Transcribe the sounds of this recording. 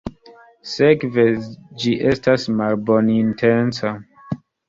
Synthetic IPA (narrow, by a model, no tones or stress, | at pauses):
sekved͡ʒiʔestasmalbonintʰensa